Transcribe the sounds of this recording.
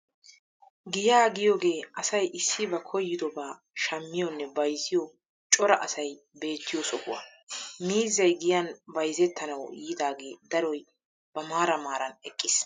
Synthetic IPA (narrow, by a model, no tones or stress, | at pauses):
ɡɪjaːɡɪjoːɡe̞ːɐsɐjʔɪsːɪbɐkʰɔjːɪd̪ɔbaː | ʃɐmːɪjɔnːɛbɐjzɪjɔ | t͡ʃʼɔɾɐʔɐsɐj | be̞ːt̪ːɪjɔsɔkʊwa̰miːzːɐjɡɪjɐnbɐjzɛt̪ːɐnɐwɔ̰iːd̪aːɡe̞ːd̪ɐɾɔj | b̥ɐmaːɾɐmaːɾɐnɛkʼːɪs